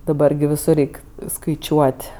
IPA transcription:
dɐˈbɐr ɡʲɪ ʋʲɪˈsʊr ˈrʲɛɪk skɐɪˈt͡ʃʲuɔtʲ

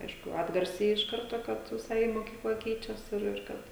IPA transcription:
ˈɐɪʃkʊ ˈɑːdɡɐrʲsʲɛɪ ɪʃ ˈkɐrtoː ˈkɐt ʋʲɪˈsɐɪ moːˈkʲiːklˠɐ ˈkʲɛɪt͡ʃʲɛs ˈɪr ɪr ˈkɐt

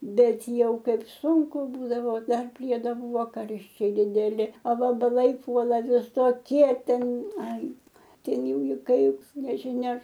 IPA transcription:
ˈbʲɛt ˈjɛʊ ˈkɐɪp ˈsuːŋkʊ ˈbuːdɐʋoː ˈdɐr ˈpʲrʲiɛdoː ˈbuːʋoː ˈkɐrʲʃʲt͡ʃʲɛɪ dʲɪdʲɛˈlʲɪ ɐ ʋɐbɐˈlˠɐɪ ˈpuɔlˠɐ ʋʲɪsoːˈkʲiɛ ˈtʲɛn ˈɐɪ ˈtʲɛn ˈjɛʊ ɪ ˈkɐɪp nʲɛʒʲɪˈnʲɛ

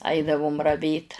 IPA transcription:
ˈɐɪdɐʋʊm rɐˈʋʲeːt

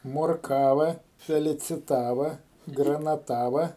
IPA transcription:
moːrˈkɑːʋɐ fʲɛlʲɪt͡sʲɪˈtɑːʋɐ ɡrɐnɐˈtɑːʋɐ

